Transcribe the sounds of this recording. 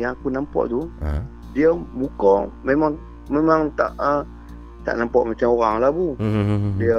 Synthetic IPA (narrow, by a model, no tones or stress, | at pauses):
jaŋakunampɔ̰ʔt̪ṵ | diəmukɔmemaŋ | memaŋt̪a̰ʔə | t̪a̰ʔnampɔʔmat͡ʃamoɾaŋlabudiə